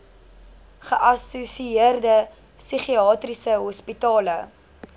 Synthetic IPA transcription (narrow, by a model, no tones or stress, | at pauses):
χəʔɐsusiiərdə | syχiɑːtrisəɦɔspitɑːlə